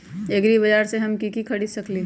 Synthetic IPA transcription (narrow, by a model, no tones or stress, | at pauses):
eɡɾibɐd͡ʒaːɾseɦɐmkikikʰɐɽisɐkli